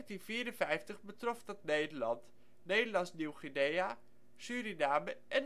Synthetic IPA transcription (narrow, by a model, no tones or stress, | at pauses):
ntinv̥iːɾənvɛjftəχbətrɔfdɑtnejdəlɑnt | nejdəlɑnsniwχineja | syːɾinaːməʔɛn